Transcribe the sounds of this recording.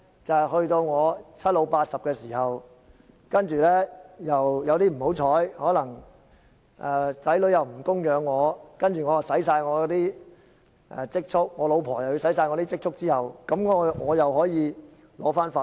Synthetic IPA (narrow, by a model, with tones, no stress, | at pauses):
t͡sɐ˨hɵ˧ɥt̪o˧wŋɔː˨˧t͡sʰɐ˥t̚lo˨˧wpaː˧t̚sɐ˨p̚kɛː˧siː˨˩hɐ˨w | kɐ˥nt͡ʃyː˨˩lɛː˥jɐ˨wjɐ˨˧wt̪iː˥m̩˨˩ho˨˥wt͡ʃʰɔː˨˥jhɔː˨˥lɐ˨˩ŋ | ʔɛː˨t͡sɐ˨˥jlɵ˨˥ɥjɐ˨wm̩˨˩kʊ˥ŋjœː˨˧ŋːɔː˨˧kɐ˥nt͡ʃyː˨ŋɔː˨˧jɐ˨˩wsɐ˨˥jsaː˧jŋɔː˨˧jt̪iː˥ | ʔɛ˧t͡sɪ˥k̚t͡ʃʰʊ˥k̚ŋɔː˨˧lo˨˧wpʰɔː˨˩jɐ˨wju˧sɐ˨˥js̬aː˧jŋɔː˨˧t̪iː˥t͡sɪ˥k̚t͡ʃʰʊ˥k̚t͡siː˥hɐ˨wkɐ˨˥mŋɔ˨˧ŋɔː˨˧jɐ˨wɦɔː˨˥jiː˨˧ | lɔ̰ː˨˥faː˥nfaː˧